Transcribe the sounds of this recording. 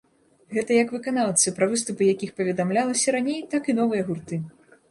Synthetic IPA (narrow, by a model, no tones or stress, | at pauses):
ɣɛt̪ɐjɐkvɨkan̪aw̪ˠt̪sɨpɾɐvɨst̪upɨjakʲixpɐvʲɛd̪amlʲalˠɐsʲɐɾanʲejt̪akin̪ɔvɨjɐɣurt̪ɨ